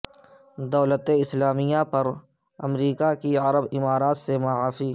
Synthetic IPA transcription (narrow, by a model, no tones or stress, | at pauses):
d̪ɔːlət̪eɪslaːmijapɐɾ | ɐ̰mɾiːkakiɐɾəbɪmaːɾaːt̪semaːaːfiː